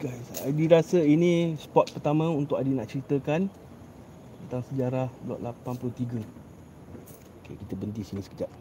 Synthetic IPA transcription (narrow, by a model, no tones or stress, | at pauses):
ɡajsa̰diɾasəinĩspɔt̪̚pərt̪amãunt̪ʊkadinaʔt͡ʃəɾit̪əkan | t̪ənt̪aŋsəd͡ʒaɾahbəla̰ʔlapanpuluht̪iɡə | okḛkit̪əbənt̪isinisə̥kəd͡ʒap̚